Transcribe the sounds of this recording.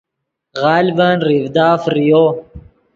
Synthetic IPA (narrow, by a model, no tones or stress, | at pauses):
ɣaːlbanɾivd̪aːfɾijo